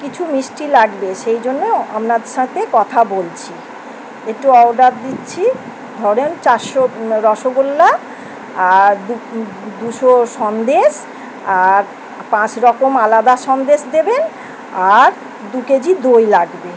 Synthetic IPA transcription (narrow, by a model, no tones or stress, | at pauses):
kit͡ɕʰumisʈilaɡbeʃejd͡ʑonːoa̰mɾad̪eʃat̪ekɔt̪ʰabolt͡ɕʰi | eʈːuɔwɖaɾd̪itːɕʰi | d̪ʱɔɾent͡ɕaɾʃoɾɔʃoɡolːa | aɾd̪u | d̪uʃoʃɔnd̪eʃ | aɾ | pãt͡ɕɾɔkomalad̪aʃɔnd̪eʃd̪eben | aɾ | d̪uked͡ʑid̪ojlaɡbe